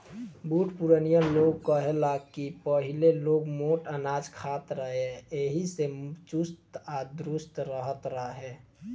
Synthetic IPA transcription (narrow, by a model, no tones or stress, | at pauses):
buʈʰpuɾənijəloɡkəɦelakipəɦileloːɡmoʈənaːd͡ʒkʰat̪ɾəɦeeɦiset͡ʃust̪ad̪ɾʊst̪ɾəɦət̪ɾəɦe